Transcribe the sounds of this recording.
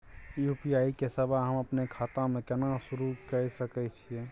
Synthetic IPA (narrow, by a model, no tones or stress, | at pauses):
jupijaːikesəbʱaɦəməpnekʰaːt̪ãmẽkɛnasʊɾukəɾsəkɛt͡ʃʰiẽ